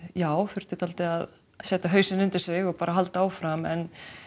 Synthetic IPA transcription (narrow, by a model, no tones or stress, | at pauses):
jaːwθʏɾ̥t̪ɪt̪ʰalt̪ɪað | sɛːt̪aɦœɥsɪnʏnt̪ɪɾ̥sɪɣɔpaːɾaɦalt̪aaːwfɾamɛn